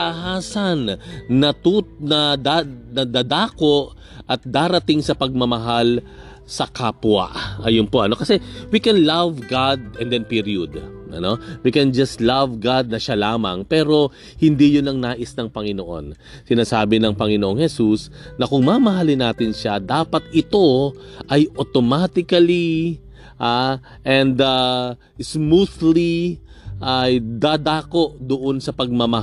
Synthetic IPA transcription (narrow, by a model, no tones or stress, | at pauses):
ɐhaːsɐnːɐt̪unɐd̪anɐd̪ad̪aːko̞ʔ | ʔɐt̪̚d̪aːɾɐt̪ɪŋsɐpɐɡ̚mɐmɐɦal | sɐkaːpwa̰ʔʔɐjʊnpo̞ʔɐno̞kɐsɛwikɛnlavɡad̪ɛnd̪ɛnpiɾiʊd̪ʔɐ̰no̞wikɛnd͡ʒɐst̪lavɡad̪̚nɐʃalaːmɐŋpɛːɾo̞ | hɪnd̪ijʊnɐŋnaːʔɪsnɐŋpɐŋɪno̞ʔo̞̰n | sɪnaːsaːbɪnɐŋpɐŋɪnoʔo̞ŋhɛsusnɐkʊŋmamɐɦalɪnaːt̪ɪnʃad̪aːpɐt̪̚ɪt̪o̞ʔɐjʔot̪omat̪ɪkɐli | ʔa | ʔɛ̃nd̪a | smuθliʔajd̪ad̪aːko̞ʔd̪ʊʔo̞nsɐpɐɡ̚mɐmɐ